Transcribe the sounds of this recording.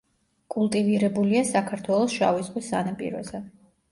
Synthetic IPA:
kʼulˠt̪ʼiviɾɛbuliasakʰaɾt̪ʰwɛlˠɔsʃa̰vizqʼwisanapʼḭɾɔ̰zɛ

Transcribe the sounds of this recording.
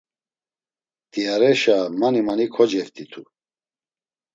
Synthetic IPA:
t̪ʼiaɾɛʃamanimanikʰɔd͡ʒɛɾt̪ʰʼit̪ʰu

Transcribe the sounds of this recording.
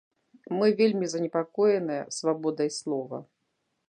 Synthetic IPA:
mɨvʲelʲmʲizɐnʲɛpakɔjɛnɨjɛsvabɔd̪ɐjslˠɔvɐ̰

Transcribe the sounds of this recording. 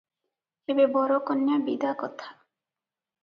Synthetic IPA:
ebebɔɾokɔnjabḭd̪akɔt̪ʰḁ

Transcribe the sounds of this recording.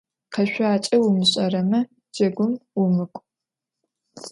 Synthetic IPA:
qɐʃʷaːt͡ʃʼɐwʊmɨɕʼɐrɐmɐ | d͡ʒɐɡʷʊmwʊmɨkʷʼ

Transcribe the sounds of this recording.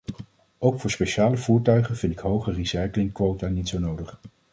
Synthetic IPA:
owkfʊːɹspejʃaːləvuːɹtœɥχənvɪntɪkɦowχərisɛjklɪŋkʋowtanitsownowdəχ

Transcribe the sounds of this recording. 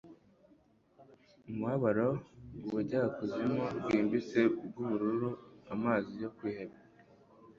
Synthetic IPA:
umuhaβaɾouβuɟakuzimobɡwiːmbit͡seb̚ɡuβuɾuɾuamaːzijo̞kwiːheβe

